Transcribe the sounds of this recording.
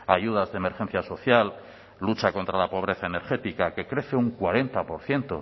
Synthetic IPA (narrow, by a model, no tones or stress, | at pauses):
ajuð̞azðeːme̞ɾxe̞n̟θjaso̞θjalː | ut͡ʃako̞nt̪ɾalapo̞β̞ɾe̞θaene̞ɾxe̞t̪ikake̞kɾe̞θe̞uŋkwaɾe̞nt̪apo̞ɾθje̞nt̪o̞̰